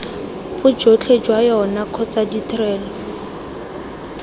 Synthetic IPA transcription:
bʊd͡ʒot͡ɬʰed͡ʒwajɔnakʰɔt͡saditrɛːlɔ

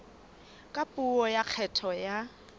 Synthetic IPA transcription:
kʼapʼuɔjaq͡χʰɛtʰɔja

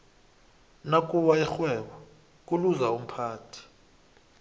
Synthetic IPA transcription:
nakʼuwaɛxwɛɓɔ | k̬ʼuluzaum̩pʰaːtʰi̥

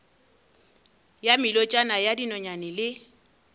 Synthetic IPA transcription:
jamɪlɔt͡ʃʼanajadinɔɲanɪlɪ

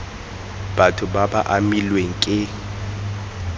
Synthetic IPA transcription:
b̥atʰʊbaba̰ʔamilweŋ̩kʼɪ

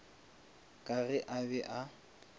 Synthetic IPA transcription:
kʼarɪʔabɛʔa

